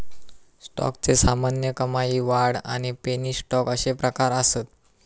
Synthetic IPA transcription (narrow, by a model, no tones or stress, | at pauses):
sʈɔ̰kt͡sesamanjəkəmajiːʋaɽa̰ɽ̃ipenisʈɔkəɕepɾəkaɾəsət̪